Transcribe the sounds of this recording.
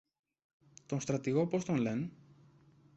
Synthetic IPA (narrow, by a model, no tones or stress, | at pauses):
t̪onst̪ɾɐt̪iɣo̞po̞st̪onle̞n